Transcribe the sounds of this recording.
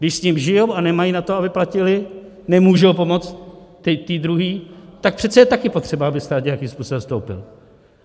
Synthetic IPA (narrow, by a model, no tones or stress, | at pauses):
ɡdɪʃsɲɪmʒɪjowanɛmajinat̪oabɪplacɪlɪ | nɛmuːʒowpo̞mo̞t͡st̪ː | ɪt̪iːd̪ɾuɦiːt̪ak̚pr̥ɛt̪t͡sɛjɛt̪akɪpo̞t̪r̝̥ɛbaabɪst̪aːt̪ɲɛjakiːmspuːso̞bɛmst̪owpɪ̰l